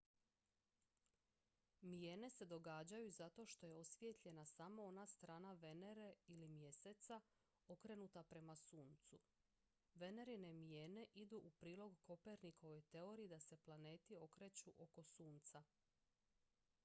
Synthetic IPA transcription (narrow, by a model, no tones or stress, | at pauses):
mije̞ːne̞se̞d̪o̞ɡaːd͡ʑajuzat̪o̞ʃt̪o̞je̞o̞sʋje̞t̪ʎe̞nasamo̞onast̪ɾaːnaʋe̞ne̞ɾe̞ilimje̞set̪sa | o̞kɾe̞nut̪apɾe̞masuːnt̪su | ʋe̞ne̞ɾine̞mijeːne̞ʔid̪uʔupɾiːlo̞ɡko̞peɾnikʰo̞ʋo̞jt̪e̞o̞ɾiːd̪ase̞plˠane̞ːt̪io̞kɾe̞t͡ɕuʔo̞ko̞suːnt̪sa